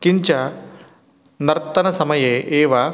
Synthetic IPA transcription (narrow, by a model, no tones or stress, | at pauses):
kiɲt͡ʃɐ | nɐɾt̪ːɐnɐsɐmɐjeʔeːʋɐ